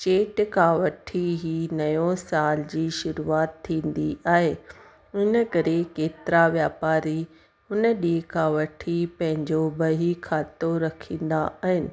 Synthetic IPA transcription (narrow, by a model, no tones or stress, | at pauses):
t͡ɕeːʈkʰãːʋɐʈʰiɦiːnɐjõsaːld͡ʑiːʃʊɾuaːt̪ʰːĩːn̆d̪iʔaːɦeː | ʊnəkɐɾekeːt̪ɪɾaʋjaːpaːɾi | ʊnə̆ɗiːkʰãːʋɐʈʰipɐ̃ɦɪ̃ɲd͡ʑobɐɦikʰaːt̪oɾɐkʰĩːn̆d̪a̰ʔaːɦɪnɪ̆